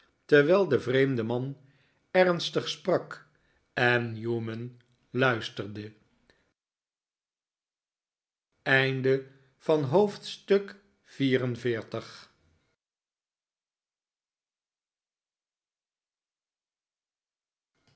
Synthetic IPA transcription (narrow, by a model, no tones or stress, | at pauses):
tɛɹʋɛlˠdəvrejmdəmɑn | ɛɹnstəχsprɑk | ɛnjumən | lœɥstəɹdə | ɛjndə | v̥ɑnɦowftstɵk | v̥iːrənvɪːɹtəχ